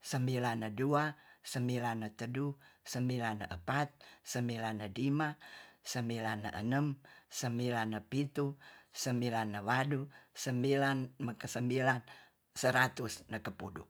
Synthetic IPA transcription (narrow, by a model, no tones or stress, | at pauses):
səmbilanːəduasəmbilanːət̪ədusəmbilanːəʔəpat̪̚səmbilanːəlimasəmbilanːə̰ʔə̰nəmsəmbilanːəpit̪usəmbilanːəwadusəmbilanməkəsəmbilan | səɾat̪usnəkəpudṵ